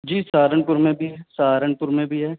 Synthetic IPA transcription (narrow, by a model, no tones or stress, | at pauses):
d͡ʒiːsaːɾəɳpʊɾmẽbʱiɦɛsaːɾəɳpʊɾmẽbʱiɦɛː